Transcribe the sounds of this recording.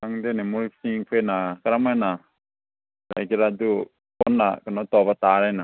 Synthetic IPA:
aŋd̪ɛnɛmuɾiksiŋpʰenakaɾamajna | ɾa̰jkiɾadu | pɔnːakanat̪ɔbat̪aɾajna

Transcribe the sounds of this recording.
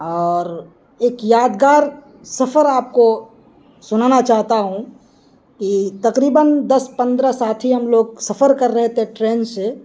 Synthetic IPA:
ɔːɾ | eːkjaːd̪ɡaːɾ | sɐpʰəɾaːp̚ko | sʊnanat͡ʃaːɦt̪aɦũ | kit̪ɐqɾiːbənd̪ɐspə̃nd̪ɾəsaːt̪ʰiɦɐmloːɡsɐpʰəɾkəɾːɛɦt̪eɦɛ̃ʈɾeːnse

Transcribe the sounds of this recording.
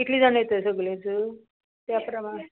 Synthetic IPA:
it̪ʰliːd͡zaɽ̃əjet̪əsəɡlet͡sə | t̪japɾəma

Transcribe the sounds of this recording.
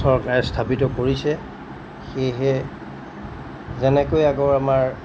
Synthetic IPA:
sɔɹkaɹɛstʰapitɔkoɹisɛ | xejɦɛ | zɛnɛkojaɡɔamaɹ

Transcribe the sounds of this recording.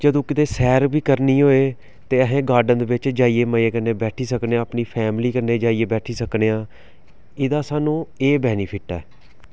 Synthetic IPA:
d͡ʒəd̪õːkɪt̪eːsɛːɾbiːkəɾniːɦoːeː | t̪eːəɦẽːɡaːɾɖənd̪eːʋɪt͡ʃd͡ʒaːiːeːməeːkəneːbɛːʈʰiːsəkneãːəpniːpʰɛːmliːkəɾneːd͡ʒaːiːeːbɛːʈʰiːsəkneːãː | ɪd̪aːsaːnũːeːbɛːniːpʰɪʈɛː

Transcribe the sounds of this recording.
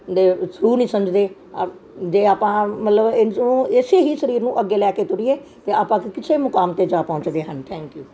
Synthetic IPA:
d̪esʊɾuːnĩsɐ̃md͡ʑd̪e | d͡ʒeːaːpãmɐt̪ləbnũeːseɦisɐɾiːɾnũːʔɐɡelɛːket̪ʊɾiet̪eaːpãkʰekɪt͡ʃʰemʊkaːmt̪ed͡ʒaːpɐ̃ɦʊ̃t͡ʃd̪eɦənt̪ʰɛ̃ːŋkjuː

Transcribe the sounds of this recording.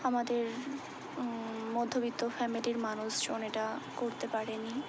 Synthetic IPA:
amad̪eɾ | mod̪ʱːobit̪ːofɛmiliɾmanuʃd͡ʑoneʈakoɾt̪epaɾeni

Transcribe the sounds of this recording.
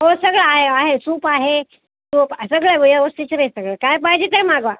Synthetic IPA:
ɦosəɡɭəaɦeaɦesuːpaɦe | suːpasəɡɭəʋəjaosit͡ɕɾəsəɡɭəkajp̬aɦd͡ʑet̪emaɡʋa

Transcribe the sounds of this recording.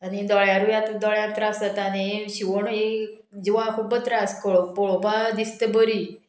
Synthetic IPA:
əned̪ɔɭjaɾujãt̪d̪ɔɭjat̪ɾasət̪aneʃiʋoɳoe | d͡ʒuʋãkʰubət̪ɾaskəɭoboɭobad̪ist̪əbəɾi

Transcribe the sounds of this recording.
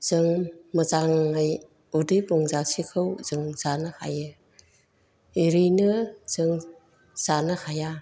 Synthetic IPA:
z̥ɯŋmɯzaŋːaj | udɯjbuŋzasikʰɯwz̥ɯŋz̥anɯha̰jɯ | iɾinɯz̥ɯŋ | z̥anɯhʰaja

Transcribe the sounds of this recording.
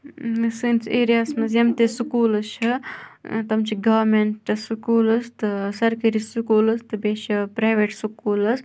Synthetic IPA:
sinseːɾijaːsmɐzɐmt̪esukuːlɐt͡ʃʰɐ | t̪ɐmt͡ʃʰiɡɐʋɾmeɳʈɨsukuːlɐst̪ɨsɐɾkɐɾisukuːlɐst̪ɨbeːʃɐpɾaːjʋeʈsukuːlɐs

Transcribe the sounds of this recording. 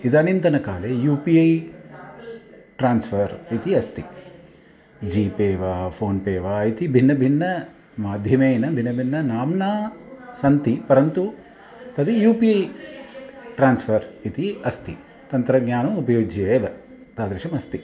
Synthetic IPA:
id̪ɐnint̪ɐnɐkaːlejuːpiɐj | ʈɾaːnspʰɐɾit̪iɐst̪i | d͡ʒiːpeːʋaːpʰoːnpeːʋaːit̪ibʱinːɐbʱinːɐ | maːd̪ʱjɐmeːjnɐbʱinːɐbʱinːɐnaːmnaːsɐnt̪ipɐɾɐnt̪u | t̪ɐd̪ijuːpiɐj | ʈɾaːnspʰɐɾit̪iɐst̪i | t̪ɐnt̪ɾɐɡɲaːnɐmupɐjoːd͡ʒʱɐeːʋɐ | t̪aːd̪ɾɐʃɐmɐst̪i

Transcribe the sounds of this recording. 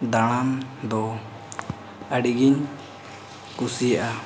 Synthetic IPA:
d̪aɽ̃amd̪ɔ | əɖiɡiɲ | kusijaʔa

